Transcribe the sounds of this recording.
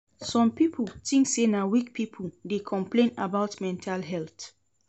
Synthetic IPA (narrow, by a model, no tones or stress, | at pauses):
sɔ̃mpipʰultĩŋksenawik̚pipʰuldekʰɔ̃mplẽnabaʊtmɛ̃ntʰalɦɛlt